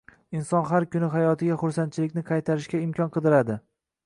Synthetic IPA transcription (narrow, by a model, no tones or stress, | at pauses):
ɪnsɒnɦaɾkʰʲʊnɪɦajɒt̪ʰɪɡʲaχʊɾsan̚t͡ʃʰɪlɪkʲnɪqʰɑjt̪ʰaɾɪʃkʲaɪmkʲʰɒnqʰɨd̪ɪɾad̪ɪ